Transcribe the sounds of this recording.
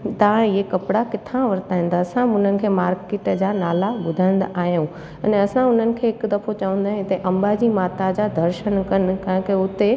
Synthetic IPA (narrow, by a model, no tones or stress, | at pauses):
t̪aãɪɦekɐpɪɽakɪt̪ʰãʋɐɾt̪aːɦĩn̆d̪aɐsãʊn̤ənɪ̆kʰeːmaːɾkeːʈd͡ʑaːnaːlabʊd̪ʱãːɪ̃nd̪aʔaːɦjũ | ɐneɐsãʊn̤ənɪ̆kʰeːɦɪkd̪ɐfot͡ɕɐʋə̃nd̪aːɦẽt̪ɐʔɐ̃mbad͡ʑimaːt̪ad͡ʑad̪ʱɐɾʃənkɐnɪ̆kɐ̃ɦɪ̃keʊt̪e